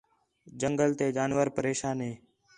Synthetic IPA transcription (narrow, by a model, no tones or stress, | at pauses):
d͡ʒəŋɡəlt̪eːd͡ʒaːnʋəɾpəɾeːʃaːnɦeː